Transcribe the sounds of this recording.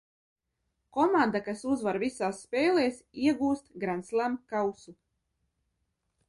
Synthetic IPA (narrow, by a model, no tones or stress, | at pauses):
kɔmand̪akasuzvaɾvisaːsːpɛːleːsiɛɡuːst̪ɡɾant̪slˠæmkawsu